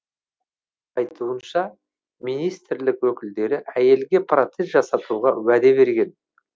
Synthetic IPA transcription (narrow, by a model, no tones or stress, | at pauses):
ɑjt̪ʰuənʃɑ | mijnijst̪ɪɾlɪkwɵkʲɪld̪e̞ɾɪʔæje̞lɡʲe̞pʰrot̪sest̪ʒɑsɑt̪uʁɑwæd̪e̞βe̞ɾɡʲe̞n